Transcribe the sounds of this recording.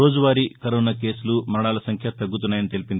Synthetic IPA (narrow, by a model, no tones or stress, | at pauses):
oːd͡ʒuʋaːɾikɐɾoːnaːke̞ːsulumɐɾɐɽaːlɐsɐŋkʰjɐt̪ɐɡːut̪̬unːaːjɐnit̪e̞lipind̪i